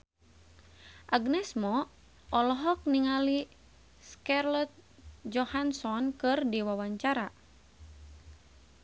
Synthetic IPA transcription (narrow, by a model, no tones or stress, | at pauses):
ʔaɡnɛsmɔ | ʔɔlɔɦɔk̚niŋali | skarlɔt̪̚d͡ʒɔhansɔnkɨrdiwawaɲt͡ʃaɾa